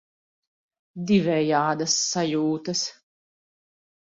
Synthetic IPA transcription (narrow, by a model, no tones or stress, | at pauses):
d̪ivɛjaːd̪ɐsːajuːt̪ɐs